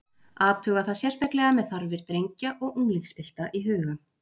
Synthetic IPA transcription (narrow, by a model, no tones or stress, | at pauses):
aːt̪ʰʏːɣaðθaðsjɛr̥t̪ajklɛɣamɛðθaɾvɪɾ̥t̪ɾejɲcaʔɔɣuŋlixspɪl̥t̪aʔiɦʏːɣa